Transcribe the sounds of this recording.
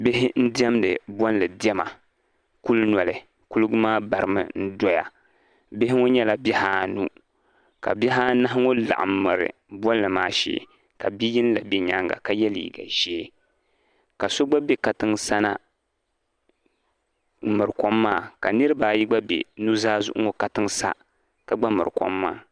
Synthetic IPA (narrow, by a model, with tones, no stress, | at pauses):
be˦ɦɪ˦n̩˦di˦ɛ˦mnɨ̰˨bɔ˦n˦lɨ˨dɛ˦ma˨ | ku˦lnɔ˨lɨ˨ | ku˦lɨ˦ɡʊ˦maː˦ba˨ɾɨ˨mɨ̰˦n̩˦dɔ˦ja̰˨ | be˦hɪ˦ŋo˦ɲɛ˦la˦bɛ˦haː˦nu˦ | ka̰˨bʲɛ˦ɦaː˦na˦ɦɪ˦ŋo˦la̰˨ʔa̰˨mːɨ˨ɾɨ̰˨bɔ˦n˦lɨ˨maː˦ʃḛː˦ | ka˨bi˦ji˦n˦la˨be˦ɲa˦ŋɡa̰˨ka˨jɛ˦lḭː˨ɡa̰˨ʒeː˦ | ka˨so˦ɡ͡ba˦be˦ka˨tɨ˦ŋsa˦na˦ | mɨ˨ɾɨ˨kɔ˦mːaː˦˨ka˨nɨ˦ɾɨ˦ba˨ji˦ɡ͡ba˦bḛ˨nu˦zaː˦zʊ˦ʔŋo˨ka˦tɨ˦ŋsa̰˦ | ka˨ɡ͡ba˦mɨ˨ɾɨ˨kɔ̰˦mːa̰ː˦